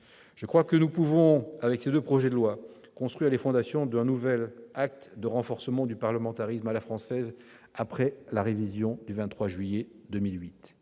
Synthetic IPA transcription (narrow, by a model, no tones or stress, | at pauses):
ʒ̥əkχwakənupuvɔ̃avɛksed̪øpχɔʒɛd̪əlwa | kɔ̃st̪χwɥiʁlefɔ̃d̪asjɔ̃d̪ɛ̃nuvɛlak̚t̪d̪əʁɑ̃fɔʁsəmɑ̃d̪ypaʁləmɑ̃t̪aʁismalafχɑ̃sɛz | apχɛlaʁevizjɔ̃d̪yvɛ̃t̪t̪ːχwaʒɥijɛd̪əmilɥit̪